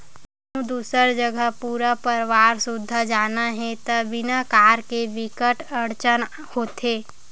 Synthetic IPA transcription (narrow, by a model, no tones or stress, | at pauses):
ũd̪uːsəɾd͡ʒəɡəɦpuːɾapəɾʋaːɾsʊd̪ʱːad͡ʒaːnaɦɛ̃t̪əʋɪnakaːɾkeʋɪkəʈəɾt͡ʃən | hoːt̪eː